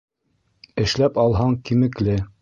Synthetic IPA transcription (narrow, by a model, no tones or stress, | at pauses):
ɘ̆ʃlæpɑlˠɦɑŋkimɘ̆klɘ